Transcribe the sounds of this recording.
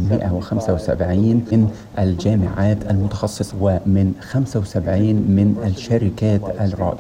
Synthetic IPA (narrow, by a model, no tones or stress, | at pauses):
mɪ̰ʔawɪxamsawɪsa̰bʕiːnɪn | ʔald͡ʒaːmɪ̰ʕaːt̪ʔalmʊt̪ɑ̥xɑsˤːɨsˤwɪmɪnxamsawsabʕiːnmɪnalʃaɾɪkaːt̪ʔalɾˤɑ̰ːʔ